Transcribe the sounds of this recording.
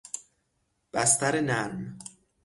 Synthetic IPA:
b̥æst̪æɾenæɾm

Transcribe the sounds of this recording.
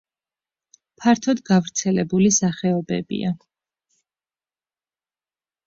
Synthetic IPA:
pʰaɾt̪ʰɔd̪ɡavɾt̪sʰɛlɛbulisaχɛɔbɛ̰bḭa

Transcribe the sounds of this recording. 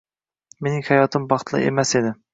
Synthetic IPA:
menɪŋhæjɒt̪ʰɪmbɑχt̪ʰlˠɨ̰ʔḛmɛsed̪ɪ

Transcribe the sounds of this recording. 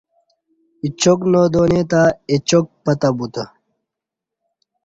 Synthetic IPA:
it͡ɕoknoːd̪oːnet̪aet͡ɕok̚pɐt̪abut̪ɐ

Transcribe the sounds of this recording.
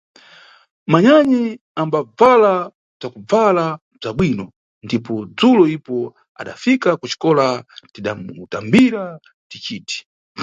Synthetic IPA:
maɲaɲi | ambab͡vala | b͡ʐakub͡vala | b͡ʐaɓwinɔ | ndipɔd͡zulɔipɔ | a̰ɗa̰fikakut͡ʃi̥kɔlatiɗamutambiɾa | tit͡ʃiːti̥

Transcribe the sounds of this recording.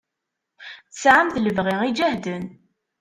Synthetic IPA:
θəsʕamθləvʁiid͡ʒæhd̪ən

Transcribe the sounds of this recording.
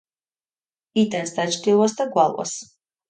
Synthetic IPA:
it̪ʼɛnsd̪at͡ʃʰd̪ilˠasd̪aɡwalˠwa̰s

